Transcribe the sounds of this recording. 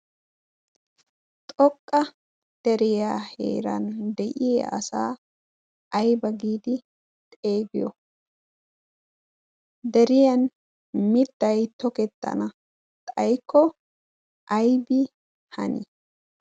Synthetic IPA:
t̪ʼɔkʼːɐ | d̪̥ɛɾɪjaːhḛːɾɐ̰nd̪ɛʔɪjeʔɐ̰sa̰ː | ʔɐjbɐɡiːd̪ɪ | t̪ʼe̞ːɡɪjɔ̰ | d̪ɛɾɪjɐn | mɪt̪ːɐjt̪ɔkɛt̪ːɐ̰nɐ | t̪ʼɐjkːɔ | ʔɐjbɪ | hɐ̰nḭ

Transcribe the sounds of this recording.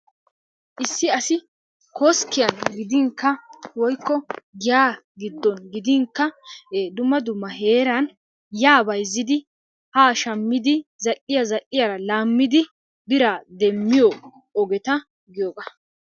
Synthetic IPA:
ʔɪsːɪɐsɪ | kɔskːɪjɐnɡɪd̪ɪŋkːɐwɔjkːɔɡɪjaːɡɪd̪ːɔnɡɪd̪ɪŋkːɐd̪ʊmːɐd̪ʊmːɐɦe̞ːɾɐn | jaːbɐjzːɪd̪ɪ | haːʃɐmːɪd̪ɪzɐʔɪjazɐʔɪjaɾɐlaːmːɪd̪ɪ | bɪɾaːd̪ɛmːɪjo | ɔɡɛt̪ɐ | ɡɪjoːɡɐ

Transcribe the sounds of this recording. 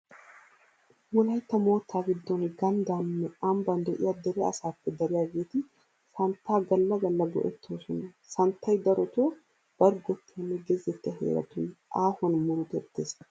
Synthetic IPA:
wɔlɐjt̪ːɐmo̞ːt̪ʰːaːɡɪd̪ːɔnɡɐnd̪aːnːɛʔɐmbɐnd̪ɛʔɪjad̪ɛɾɛɐsaːpːɛd̪ɐɾɪjaːɡe̞ːt̪ɪ | sɐnt̪ːaːɡɐlːɐɡɐlːɐɡɔ̰ʔɛt̪ʰːoːsɔnɐ | sɐnt̪ʰːɐjd̪ɐɾɔt̪o | b̥ɐɾɡɔt̪ːenːɛɡɛzːɛt̪ːɐɦḛːɾɐ̰t̪ʊnʔaːhɔnmʊɾʊɡ̪ɛt̪ːeːs

